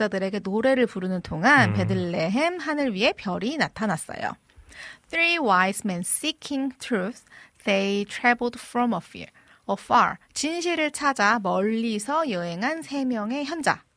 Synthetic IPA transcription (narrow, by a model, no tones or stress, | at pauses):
adɯɾe̞ɡe̞noɾe̞ɾɯɭpuɾɯnɯntʰoŋanpe̞dɯɭːe̞ɦemɦanɯɭɥiɦe̞pjʌɾinatʰanas͈ʌ̰jo̰ | t̪ʰɾiwajsmensikʰiŋtʰɾusd̥ejtʰɾabɯɭdfɾʌmʌfḭɹ | ʌfaɾ | t͡ɕinɕʰiɾɯɭt͡ɕʰad͡ʑamʌʎːisʰʌjɯe̞ŋɦansʰe̞mjʌŋe̞çjʌnd͡ʑa̰